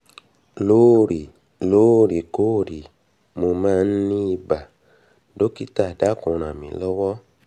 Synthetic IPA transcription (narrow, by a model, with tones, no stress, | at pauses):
lo˦˨ɾi˨ | lo˨˦˨ɾi˨ko˦˨ɾi˨ | mo˧mãː˦˧n̩˦nĩ˦i˧ba˨ | do˦ki˦ta˦˨da˦˨kũ˨˧ɾ̃ã˨mĩ˨˦lɔ˦wɔ˦